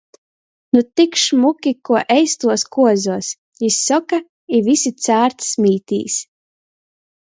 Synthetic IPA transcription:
nut̪ikʃmukʲikuɔʔɛjst̪uɔskuɔzuɔs | jisːɔka | ivisit̪sæːɾt̪smʲiːt̪ḭːs

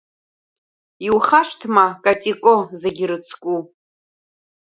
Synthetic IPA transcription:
iwχaʂtʰmakʼatʼikʼozeɡʲɪɾɨt͡sʰkʷʼu

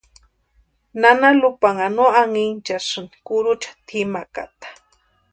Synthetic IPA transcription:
nanalʊpaŋanuaŋint͡ʃasɨni̥kʊɾʊt͡ʃḁt̪ʰimaka̰t̪ḁ

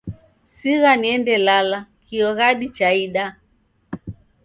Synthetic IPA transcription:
siɣaniɛndɛlalakiɔɣaɗit͡ʃaiɗa

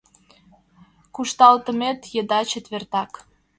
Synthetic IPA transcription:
kuʃt̪ɑlt̪ə̆met̪jəd̪ɑt͡ɕet̪βert̪ɑk

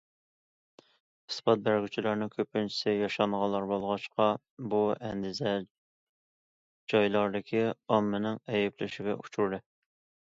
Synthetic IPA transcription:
ɨ̥spɑt̪̚bæɾɡʲyt͡ʃʰilæɾnɪŋkʲʰøpːɪnt͡ʃʰi̥sɪjɑʃɑɴʁɑlˠːɑɾbolˠʁɑʃqɑ | buɛnd̪ɪzɛ | d͡ʒɑjlˠɑɾd̪ɨkʲʰiɑmːɪnɪŋɛjɛplɪʃɪɡʲɛ̰ʔut͡ʃʰuɾd̪ɨ

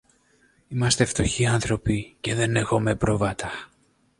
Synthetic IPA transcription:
imɐst̪e̞ft̪o̞çiɐnθɾo̞pice̞ðe̞nexo̞me̞pɾo̞vɐt̪ɐ

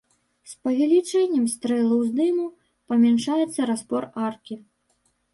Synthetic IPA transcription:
spɐvʲɛlʲit͡ʂɛnʲːɛmst̪ɾɛlˠɐwzd̪ɨmu | pɐmʲɛnʂajɛt̪sːɐɾaspɔrarkʲi

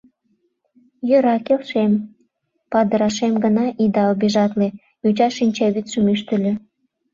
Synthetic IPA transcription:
jøɾɑkelʃem | pɑd̪əɾɑʃemɡənɑʔid̪ɑobeʒɑt̪le | jut͡ɕɑʃinʲt͡ɕɑβit̪ʃəmyʃt̪ə̆lʲø̆

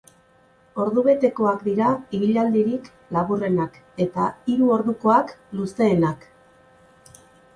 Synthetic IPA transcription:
o̞ɾðuβe̞t̪e̞ko̞akd̪iɾaiβiʎald̪iɾik | laβure̞nak | e̞t̪aiɾuo̞ɾðuko̞aklust̪e̞ːnak

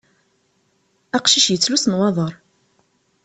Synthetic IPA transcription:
ɑqʃiʃjət͡sːlusnwɑðˤəɾˤ

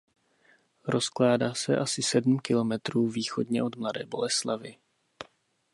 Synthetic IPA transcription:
ɾo̞sklaːdaːsɛ̰ʔasɪsɛdm̩kɪlo̞mɛt̪ɾuːviːxo̞dɲɛʔo̞d̪mladɛːbo̞̰lɛslavɪ

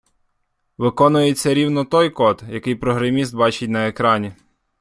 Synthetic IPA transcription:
ʋɪkɔnʊjet͡sʲːɐɾʲiwnɔt̪ɔjkɔt̪jɐkɪjpɾɔɦɾɐmʲist̪̚bɑt͡ʃɪt̚ʲnɐekɾɑnʲi

